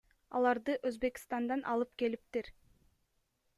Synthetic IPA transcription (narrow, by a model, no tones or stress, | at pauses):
ɑ̰lˠɑɾd̪ɯʔøzbe̞ki̥st̪ɑnd̪ɑnʔɑlˠɯp̚ke̞lip̚t̪iɾ